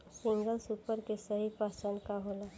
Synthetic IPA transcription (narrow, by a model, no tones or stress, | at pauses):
siŋɡəlsupəɾkesəɦipasəɳkaɦola